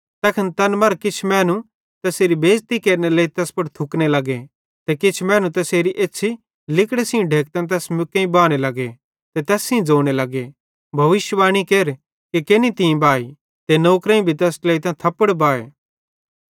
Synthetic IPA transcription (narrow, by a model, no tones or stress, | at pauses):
t̪ɛːkʰənt̪ɐnmɐɾkɪt͡ʃʰmɛ̃ːnu | t̪ɛseːɾibeːd͡ʒt̪ikeːɾneleːit̪ɛːspɐɽt̪ʰʊknelɐɡe | t̪ɛkɪt͡ʃʰmɛːnũt̪ɛseːɾiʔeːt͡ʃʰi | lɪkɽesiũɖʱeːk̚t̪ɐ̃nt̪ɛːsmʊkẽĩbaːɽ̃elɐɡe | t̪ɛt̪ɛːsĩd͡zoːɽ̃elɐɡe | bʱɐʋɪʃjʋaːɽ̃ikeːɾ | kekenit̪iĩbaːi | t̪enoːkɾẽĩbʱit̪ɛːsleːit̪ãːt̪ʰɐpːəɽbaːḛː